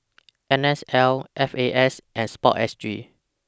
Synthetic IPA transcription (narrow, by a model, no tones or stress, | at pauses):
ʔɛ̃nɛsɛlʔɛfeʔɛsʔɛ̃nspɔ̰tɛ̰stɹi